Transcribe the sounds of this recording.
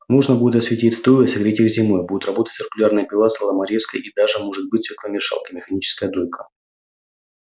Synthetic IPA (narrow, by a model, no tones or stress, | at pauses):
noʐnəbudʲɪt̪ɐsvʲɪtʲitʲst̪ojəsɐɡɾʲetʲɪɪxzʲɪmojbud̪ʲʊt̪rɐbo̞t̪ə̥tʲt͡ssɨrkʊlʲarnɨjəpʲɪlˠasəlˠəmɐɾʲeskə̰jid̪aʐɨmo̞ʐɨt̪̚bɨt̚ʲsʲvʲek̪ˠamʲɪʂa̰lˠkəmʲɪxɐnʲit͡ɕɪ̥skəjəd̪ojʲkʰə